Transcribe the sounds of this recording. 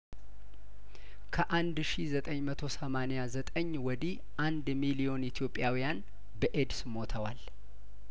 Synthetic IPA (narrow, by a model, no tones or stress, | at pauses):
kʰəʔand̪ʃizət̪ʼəɲmət̪ʰo̞səmanejazət̪ʼəɲːwɔd̪i | ʔand̪milijo̞nit̪ʰijo̞pʼːjawijan | bəʔed̪smo̞t̪ʰəwal